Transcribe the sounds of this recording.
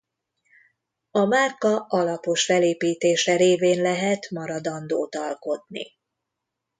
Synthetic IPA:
ɒmarkɒʔɒlɒpo̞ʃfɛleːpiːt̪eːʃɛɾeːveːnlɛɦɛt̪mɒɾɒd̪ɒnd̪oːt̪ɒlko̞t̪nḭ

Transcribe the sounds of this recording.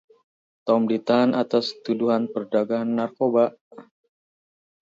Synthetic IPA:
t̪ɔmdit̪aːnʔat̪ast̪uduɦanpərdaɡaanːarkoba

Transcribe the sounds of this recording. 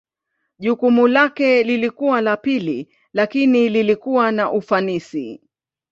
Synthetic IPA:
ʄukumulakɛlilikuwalapili | lakinililikuwanaʔufanisḭ

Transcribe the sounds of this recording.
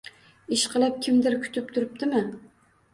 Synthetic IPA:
ɪʃqʰɨlˠɪp̚kʲʰɪmd̪ɪɾkʲʰʊ̥t̪ʰɪp̚t̪ʰʊɾɪp̚t̪ʰɪmɪ

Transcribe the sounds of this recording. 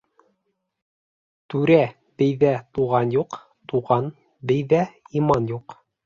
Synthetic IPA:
t̪ʉɾæ | bɘ̆jðæt̪uʁɑnjuq | t̪uʁɑn | bɘ̆jðæimɑnjuq

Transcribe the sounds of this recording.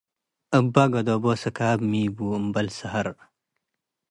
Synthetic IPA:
əbːaɡɐd̪oːboːsɐkaːbmiːbuːəmbɐlsɐɦɐɾ

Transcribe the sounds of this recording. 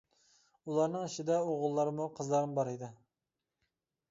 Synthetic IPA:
ulˠɑɾnɨŋiʃid̪ɛoʁʊlˠːɑɾɨmuqʰəzlˠɑɾɨmbɑɾɨd̪ɨ

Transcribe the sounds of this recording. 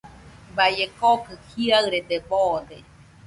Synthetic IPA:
bajekokɨhiaɨɾet̪eɓod̪e

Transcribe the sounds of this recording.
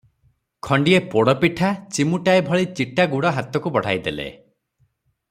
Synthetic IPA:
kʰɔɳɖiepoɽɔpiʈʰat͡ʃimuʈaebʱɔɭit͡ʃiʈaɡuɽɔɦat̪ɔkubɔɽ̤a̰jd̪elḛ

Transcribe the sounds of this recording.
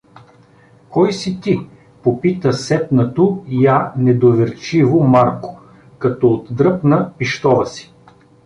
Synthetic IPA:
kɔjsit̪i | popit̪əsɛt̪nɐt̪ojanɛd̪ovɛɾt͡ʃivomaɾko̥ | kɐt̪ɔot̪d̪ɾɤpnəpiʃt̪ɔvəsi̥

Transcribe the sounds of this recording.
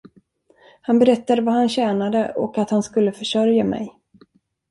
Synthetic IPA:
hanbɛɾɛt̪ːad̪əvaɦanɕɛːnad̪əʔɔ̰kat̪hanskɵlːəfœʂœɾjamɛ̰j

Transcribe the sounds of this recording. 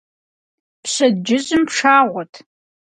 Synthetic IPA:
pɕɐdd͡ʒɪʑɨmpʂaːʁʷɔtʰ

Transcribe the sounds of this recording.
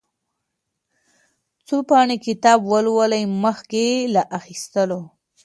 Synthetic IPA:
t͡sopɑɳekɪt̪ɑbwəlwələjməxkelaʔaxist̪əlo

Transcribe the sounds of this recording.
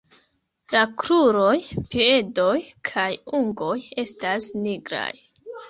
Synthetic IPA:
lakɾuɾo̞jpie̞do̞jkʰajuŋɡo̞je̞stasniɡɾa̰j

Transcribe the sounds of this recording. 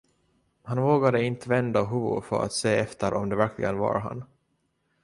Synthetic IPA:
hanvoːɡad̪əɪnt̪əvɛnd̪aɦuːʊ̰fœ̰ɾa̰t̪seːɛft̪ʰəɾʔɔmd̪ɛvæɾkʰlɪ̰ɡənva̰ɾɦa̰n

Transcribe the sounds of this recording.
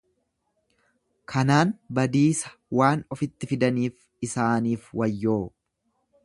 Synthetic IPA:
kʰɐnaːnbɐd̪iːsɐ̥waːnɔfɪt̪ːɪfɪd̪ɐniːf | ɪsaːniːfwɐjːoː

